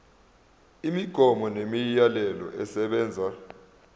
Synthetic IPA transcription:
imiɡ̥ʱɔmɔnemijalɛlɔ̰ʔɛsɛɓɛːnd͡zʱa

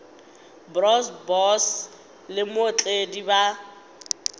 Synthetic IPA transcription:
brɔsbɔs | lɪmot͡ɬʼediba

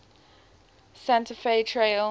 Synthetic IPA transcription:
sæ̃ntəfeɪtʰɹeɪl

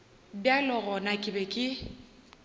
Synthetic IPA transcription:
bjalɔɣɔnakʼɪbɛkʼɪ

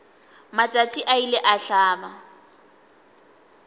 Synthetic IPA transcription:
mat͡ʃʼat͡ʃʼiʔaileʔaɬaːba

